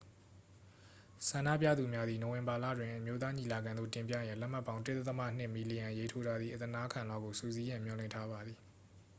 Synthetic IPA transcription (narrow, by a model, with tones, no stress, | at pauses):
sã˨ndä̰˦˨pja̰˦˨d̪u˨mja˦d̪i˨no˨wɪ̃˨mba˨lä̰˦˨dwɪ̃˨ʔəmjo˦t̪̬a˦ɲi˨la˨ɡã˨nðo̰˦˨tɪ̃˨mp̬jä̰˦˨jã˦˨lɛ˦m̥a˦pːã˦ʊ̃dɪ˦t̪ɛ˦t̪ːəma̰˦˨n̥ɪ˦ʔmi˨li˨jã˨je˦tʰo˦ɾa˨d̪ði˨ʔət̪əna˦ʔəkʰã˨nlwa˦˨ɡo˨sṵ˦˨zi˦jã˦˨mjɔ˨lɪ̰̃˦˨ntʰa˦βa˨d̪ði˨